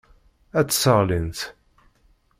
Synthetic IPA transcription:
æt͡sːsəʁlint̪

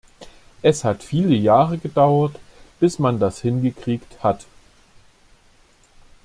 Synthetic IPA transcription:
ʔɛshatfiːləjaːʁəɡədaʊɐtb̥ɪsmandashɪnɡəkʁ̥iːkthat

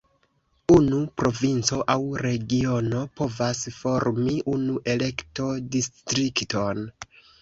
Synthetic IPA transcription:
unupɾo̞vint͡so̞ʔawɾe̞ɡio̞no̞po̞vasfo̞ɾmiʔunuʔe̞le̞kto̞distɾikto̞n

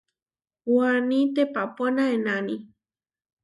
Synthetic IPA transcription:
wanĩt̪epaponaenani

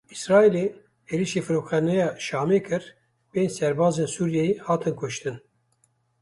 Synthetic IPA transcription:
isɾɑːeleː | eːɾiʃefɨɾokχɛnɛjɑːʃɑːmeːkʰɨɾ | beːnsɛɾbɑːzeːnsuːɾjɛjehɑːt̪ʰɨnkʰʊʃt̪ɨn

